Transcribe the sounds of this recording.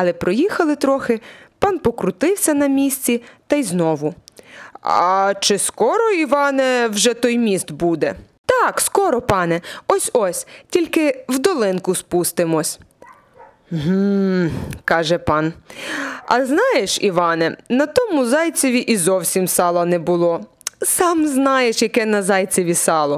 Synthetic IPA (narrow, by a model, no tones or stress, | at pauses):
ɐlˠɛpɾɔjixɐlˠɪt̪ɾɔxɪpɑnpɔkɾʊt̪ɪwsʲɐnɐmʲisʲt͡sʲit̪ɐjznɔʋʊ | ɑt͡ʃɪskɔɾɔiʋɑnɛwʒɛt̪ɔjmʲist̪bud̪ɛ | t̪ɑkskɔɾɔpɑnɛɔsʲɔsʲtʲilʲkɪwd̪ɔlˠɪnkʊspust̪ɪmɔsʲ | m̩ɦm̩ | kɑʒɛpɑn | ɐ̰znɑjeʃiʋɑnɛnɐt̪ɔmʊzɑjt͡sʲɔʋʲiʔizɔwsʲimsɑlˠɐnɛbʊlˠɔ | sɑmznɑjeʃjɐkɛnɐzɑjt͡sʲɔʋʲisɑlˠɔ